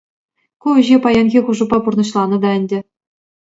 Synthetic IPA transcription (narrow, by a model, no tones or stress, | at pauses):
kuɘ̆ʑepɑjɑnʲɣʲixuʐɤ̆pːɑpurnɤ̆ɕlˠɑnɤ̆d̪ɑɘ̆nʲdʲɘ̆